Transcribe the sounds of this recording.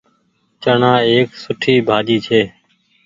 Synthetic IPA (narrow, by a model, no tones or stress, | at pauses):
t͡ʃəɳãːeːksʊʈʰiːbʱaːd͡ʒiːt͡ʃʰeː